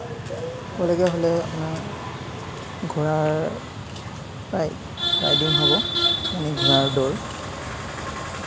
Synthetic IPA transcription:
kolɔɡɛɦolɛapunaɹ | ɡʱuɹaɹ | paj | ɹa̰ɹdinɦɔbɔaniɡʱuɹaɹdɔɹ

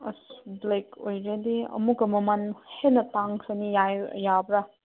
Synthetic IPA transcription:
ɐ̰sblekojɾediɐ̰mukɐmɐmanhenɐtaŋsʰɐnijaj̰jabɾa

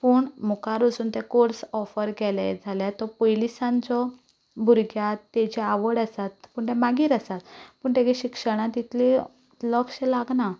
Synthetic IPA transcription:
puːɳmukaɾod͡zuːnt̪jakoɾsɔfəɾɡɛla̰d͡zʱaljat̪ɔpojlisãnt͡sɔ | bʱuɾɡjat̪ːɛt͡ɕɛaʋəɽasat̪puːɳt̪ɛmaɡiːɾəsat̪puːɳt̪ẽɡeɕikʂəɽ̃ãt̪it̪le | lɔkɕelaɡna

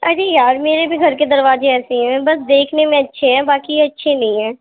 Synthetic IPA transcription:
ɐd͡ʒijaːɾmeːɾebʱiɡʱɐɾked̪ɐɾʋaːzeɛːseɦɛ̃bɐsd̪eːkʰnemẽɐtːʃʰeɦɛ̃baːkiɐtːʃʰenɐɦĩɦɛ̃ː

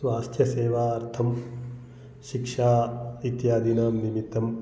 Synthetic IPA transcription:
sʋaːst̪ʰjɐseːʋaːɐɾt̪ʰɐm | ʃikʂaːit̪jaːd̪inaːmnimit̪ːɐm

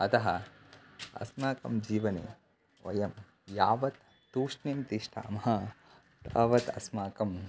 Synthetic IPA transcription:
ɐt̪ɐɦɐ | ɐ̰smaːkɐ̰md͡ʒiːʋɐnḛː | ʋɐ̰jɐm | jaːʋɐt̪ː | uːʂnimt̪iʂʈʰa̰ːmɐɦɐ | t̪ɐːʋɐt̪ɐ̰smaːkɐm

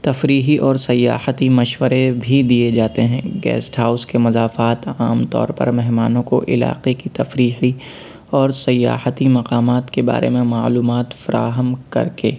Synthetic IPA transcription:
t̪ɐfɾiːɦiʔɔːɾsɐjːa̰ːhət̪imɐʃwəɾebʱid̪ied͡ʒaːt̪eɦɛ̃ɡɛ̰ːsʈɦaːʊskemʊzaːfaːt̪aːmt̪ɔ̰ːɾpɐ̰ɾmɛɦmaːnõko̰ʔɪla̰ːqekit̪ɐfɾiːɦi | ɔːɾsɐjːa̰ːhət̪imɐqaːmaːt̪keba̰ːɾḛmẽmaːluːmaːt̪fɐɾa̰ːɦəmkɐ̰ɾkḛː

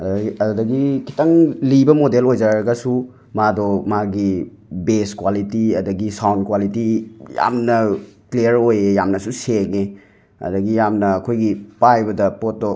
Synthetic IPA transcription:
ɐɐdɐɡikʰi̥tɐŋlibɐmodelojd͡ʒaɾɐɡɐsu | madɔmaɡi | beskwalitiɐdɐɡisawnkwalitija̰mnɐklejɐɾojejamnɐsuseŋe | ɐ̰dɐɡijamnɐːkʰojɡipajbɐdɐpotːo

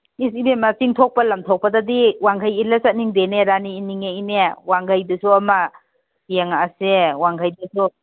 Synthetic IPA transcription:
is̬ibemɐsiŋtʰok̚pɐlɐmtʰok̚pɐdɐdiwaŋɡʰʱajilɐsɐt̚niŋdeneɾaniːniŋeinewaŋɡajdɐsuɐmɐ | eŋasewaŋɡʰʱajdɐsu

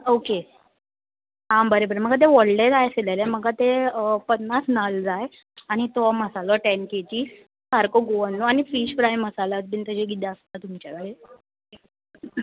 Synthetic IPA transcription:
oke | ɦãbəɾebəɾem̤əɡat̪̬eʋəɽɖet̪ajselaleməɡat̪epənːat͡snald͡zaj | aɽ̃it̪ɔməsalɔʈɛnket͡ɕiː | kaɾkoɡoənːoañifiːɕfɾajməsalat̪bint̪əd͡ʑeɡid̪aəst̪at̪um̤it͡ɕakaɽe

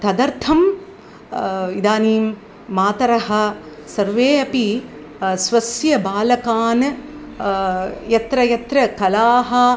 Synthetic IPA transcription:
t̪ɐd̪ɐɾt̪ʰɐm | id̪aːniːmː | aːt̪ɐɾɐɦɐ̆ | sɐɾʋeːɐpi | sʋɐsjɐbaːlɐkaːn | jɐt̪ɾɐjɐt̪ɾɐkɐlaːɦɐ̆

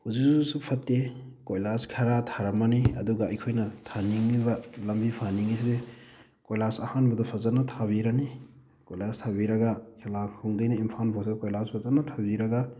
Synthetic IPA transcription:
huziksusupʰɐtːe | kojlaskʰɐɾatʰaɾɐmaniɐ̰duɡɐɐjkʰojnɐtʰaniŋnibɐlɐmbipʰaniŋiside | kojlasɐhanbɐdɔpʰɐzɐnːɐtʰaβiɾɐni | kojlastʰabiɾɐɡakʰelakʰuŋdajnɐimpʰanbʰʱɔsʰikojlaspʰɐzɐnːɐtʰabiɾɐɡa

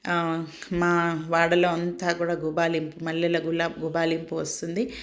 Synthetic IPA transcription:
maːʋaːɽɐloːɐnt̪aːkuːɽaːɡubaːlimpumɐɭːɐlɐɡulɐɡubaːlimpuʋɐst̪und̪i

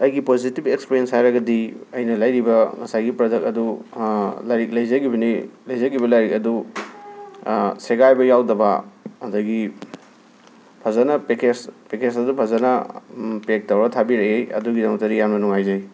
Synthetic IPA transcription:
ɐjɡipozitipekspeɾijenshajɾɐɡɐdiɐjnɐlɐjɾibɐŋɐsajɡipɾɐdɐk̚ɐdu | lajɾik̚lɐjzɐɡibɐnilɐjzɐɡibɐlajɾik̚ɐdu | seɡajbɐjawdɐbɐɐdɐɡi | pʰɐzɐnɐpeked͡ʒpekesɐdupʰɐzɐnɐpek̚tɐwɾɐtʰabiɾɐejɐ̰duɡidɐŋmɐtɐɾijanbɐnuŋajd͡ʒɐj

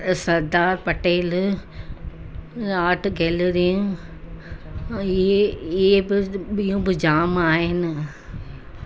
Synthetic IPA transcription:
sɐɾd̪aːɾpɐʈeːl | aːʈʰɡeːlɾijũ | eɪɦebɪɓijũbɪd͡ʑaːmaːɦɪnɪ̆

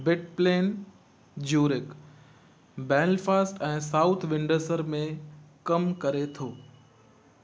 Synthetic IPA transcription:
bɪʈ̚pleːn | d͡ʑuːɾɪk | bɛːlfaːsʈɛ̃ːsaːʊt̪ʰʋɪ̃ɳɖəsəɾmẽkɐmkɐɾet̪ʰoː

